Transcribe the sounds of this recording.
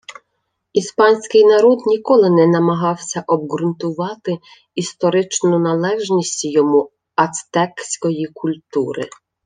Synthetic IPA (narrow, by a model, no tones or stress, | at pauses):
ispɑnʲsʲkɪjnɐɾɔd̪nʲikɔlˠɪnɛnɐmɐɦɑwsʲɐʔɔb̚ɣɾʊnt̪ʊʋɑt̪ɪ | ist̪ɔɾɪt͡ʃnʊnɐlˠɛʒnʲisʲtʲjɔmu | ɐst̪ɛksʲkɔjikʰʊlʲt̪uɾɪ̰